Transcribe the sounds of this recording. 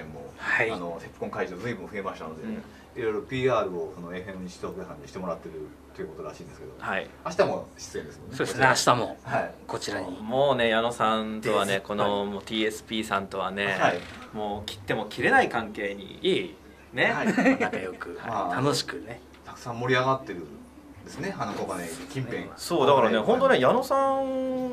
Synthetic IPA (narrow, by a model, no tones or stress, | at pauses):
ẽmːo̰haianosepɯ̥kõ̞ŋkaiʑoːzɨibɯ̃ɸɯe̞maɕi̥t̪ano̞d̪eɯ̃ː | iɾo̞jɾopʲiːaːɾɯ̟osono̞e̞ɸẽnɲiɕi̥t̪oːkesãɲ̟ːiɕi̥t̪e̞mo̞ɾat̪ːe̞ɾɯ̟ | t̪ojɯ̟kot̪oɾaɕĩnd̪eske̞d̪ohaḭaɕi̥t̪amoɕi̥t͡sɨend̪esɨmonsːeoːd̪eseaɕi̥t̪amo̞haiko̞t͡ɕiɾaɲimo̞ːne̞jano̞sãnt̪o̞βaneko̞nomoːt̪ʰiːe̞sɨ̥pʲiːsãnt̪o̞βane̞haimo̞ːkʲi̥t̪ːe̞mo̞kʲʰiɾe̞naikãŋke̞ːɲ̟ḭi | ne̞ãŋkajo̞kɯ̟ha̰it̪ʰano̞ɕi̥kɯ̟ne̞ | t̪ʰakɯ̥sãmːo̞ɾʲiaɡat̪ːe̞ɾɯ̟ | d̪e̞sɨneanokokanekʲĩmpẽso̞ːd̪akaɾane̞ɦõnt̪o̞nejano̞sãŋ